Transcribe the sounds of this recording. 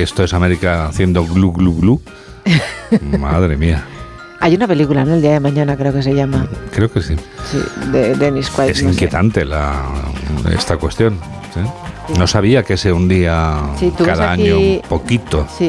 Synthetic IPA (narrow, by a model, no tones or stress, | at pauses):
e̞st̪oe̞same̞ɾikaθje̞nd̪oɣluɣluɣlu | ma̰ðɾe̞mia | ajunape̞likulanoeld̪iaðemãɲanakɾe̞okes̬eʝamakɾe̞okesisḭd̪ed̪eniskwaesiŋkje̞t̪ant̪e̞la̰ | ḛst̪akwe̞st̪jo̞n | sino̞saβ̞iakeseund̪iasit̪ukeasðaaɲɲopo̞kit̪o̞si